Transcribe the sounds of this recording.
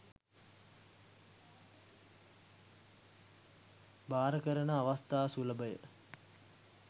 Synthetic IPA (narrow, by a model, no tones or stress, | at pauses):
baːɾəkəɾənəaʋast̪aːsuləbəjə̰